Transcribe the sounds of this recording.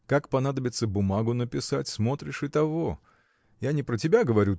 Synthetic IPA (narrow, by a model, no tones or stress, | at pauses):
kakpɐn̪ad̪əbʲɪt̪səbʊmaɡʊnəpʲɪsatʲsmo̞t̪ɾʲɪʂɨt̪ɐvo | janʲɪpɾətʲɪbʲaɡəvɐɾʲu